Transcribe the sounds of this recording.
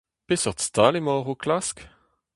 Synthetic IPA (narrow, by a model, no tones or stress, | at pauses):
pesœʁt̪st̪alemɔːʁoklask